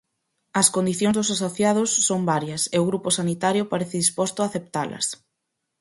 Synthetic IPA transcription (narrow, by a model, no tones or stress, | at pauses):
ɐskond̪iθjõŋzðʊsasoθjað̞ʊsːombaɾjɐseʊɣɾuposanit̪aɾjʊpaɾeθɪðispɔst̪ʊaːθep̚t̪alɐ̰s